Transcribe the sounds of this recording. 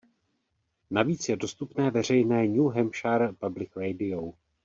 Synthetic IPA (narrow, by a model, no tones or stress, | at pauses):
naviːt͡sjɛdo̞st̪upnɛːvɛr̝ɛjnɛːɲuːɦɛmʃaɾpablɪkɾɛjdɪow